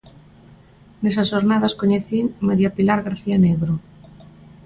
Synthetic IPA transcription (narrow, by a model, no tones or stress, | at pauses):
nes̬asʃoɾnaðaskoɲeθimaɾiapilaɾɣaɾθianeɣɾo